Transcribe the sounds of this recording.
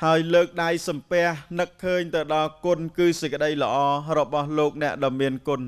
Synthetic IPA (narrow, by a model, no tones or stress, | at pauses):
haəjləːk̚ɗajsɑmpɛ̆əhnɨkʰːəːɲt̪ɨwɗɑlkʊ̆nkɨːsəc̚kə̆ɗəjlə̆ʔɑːrɔɓɑhloːk̚nɛ̆əʔɗɑəmːiənkʊ̆n